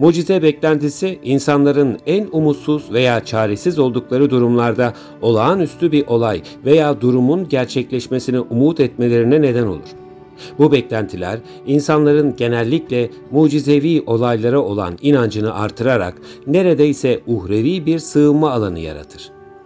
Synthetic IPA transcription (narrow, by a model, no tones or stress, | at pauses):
muːd͡ʒizɛbɛclʲænt̪ʰisiʔinsanlˠaɾɯnænumut̪suz̥ve̞jaːt͡ʃʰaːɾesizo̞lˠd̪uklˠaɾɯd̪uɾumlˠaɾd̪a | o̞lˠaːnyst̪ʰybiɾʔo̞lˠaj | ve̞jaːd̪uɾumunɟæɾt͡ʃʰɛclʲɛʃmesiniʔumuːt̪ʰɛt̪me̞lʲe̞ɾinɛne̞d̪æno̞̰lˠṵɾ̥ | bubɛclʲænt̪ʰilʲæ̰ɾ | insanlˠaɾɯnɟe̞nælʲːiclʲɛ | muːd͡ʒizeviːʔo̞lˠajlˠaɾao̞lˠa̰ninand͡ʒɯnɯʔa̰ɾt̪ʰɯɾaɾa̰k | ne̞ɾe̞d̪ɛisɛuhɾeviːbiɾsɯɯmːaːlˠanɯ̰ja̰ɾa̰t̪ʰɯɾ̥